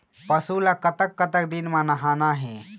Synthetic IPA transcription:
pɐsuːlaːkɐt̪əkːɐt̪əkd̪inmãːnɐɦaːnaːɦɛ̃ː

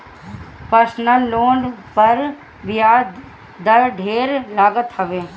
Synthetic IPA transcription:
pəɾsnəlːoːɳɖpɐɾ | ʋɪjaːd̪ | d̪ɐɾɖʱeːɾlaːɡət̪ɦɐʋeː

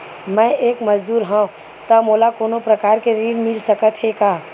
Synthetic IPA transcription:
mɛ̃ʔeːkməd͡ʒd̪uːɾɦɔ̃ː | t̪əmoːlakoːnopɾəkaːɾkeɾiɽmɪlsəkət̪ɦekaː

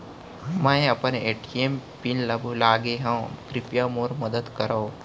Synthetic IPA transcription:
ɦmãːẽɐpəneːʈiempinləbʱlaːɡeɦãkɾipjamoːɾməd̪əd̪kəɾao

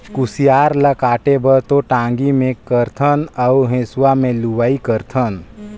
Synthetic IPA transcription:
kʊsijaːɾləkaːʈebʱət̪oʈãːŋɡimẽkəɾt̪ʰənəuɦẽːswamẽluwaːikəɾt̪ʰən

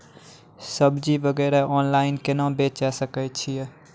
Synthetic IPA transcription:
səbd͡ʒibəɡɛːɾaʔɔːnlaɪnkenãbet͡ʃasəkət͡ʃʰije

